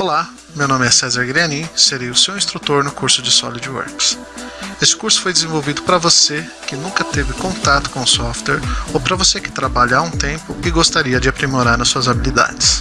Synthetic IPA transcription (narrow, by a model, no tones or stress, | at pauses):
ola | mewnõmɪɛsɛzaɾɡɾiɐnĩseɾejʊsewĩst̪ɾut̪oɾnʊkuɾsʊd͡ʒɪsɔ̰lid͡ʒwo̰ɾks | esɪ̥kuɾsʊ̥fojd̪ɪzẽvowvid̪ʊpɾɐvose | kɪnũkɐt̪evɪkõnt̪at̪ʊ̥kõʊsɔft̪ɛɾowpɾɐvosekɪ̥t̪ɾabaʎɐaũt̪ẽmpʊɪɡost̪aɾiɐd͡ʒɪapɾimoɾaɾnɐsːuɐzabilid̪a̰d͡ʒɪs